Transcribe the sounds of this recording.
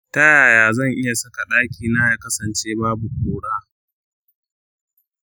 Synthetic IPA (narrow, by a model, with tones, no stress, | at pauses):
tɐ˦jaː˨jaː˨zɐ˦˨ŋʔɪ˦ja˨sɐ˦ka˨ɗaː˦kʲiː˨naː˦jaː˨kɐ˦sɐ˨nt͡ʃeː˦baː˦bu˨kʷoː˨ɽaː˦